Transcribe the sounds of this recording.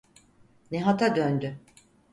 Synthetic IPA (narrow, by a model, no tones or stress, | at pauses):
neɦat̪ʰad̪ønd̪y